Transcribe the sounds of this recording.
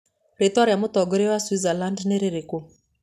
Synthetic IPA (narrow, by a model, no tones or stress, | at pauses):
ɾetwaɾjamotɔɡoɾewaswizalandneɾeɾeko